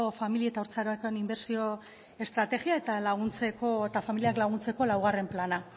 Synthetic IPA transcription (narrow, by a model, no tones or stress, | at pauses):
ofamilie̞t̪aoɾt͡saɾoakoenimbe̞ɾsio̞ | e̞st̪ɾat̪e̞ɣiae̞t̪alaɣ̞unt͡se̞koet̪afamiliaklaɣ̞unt͡se̞ko̞lawɣ̞are̞mplana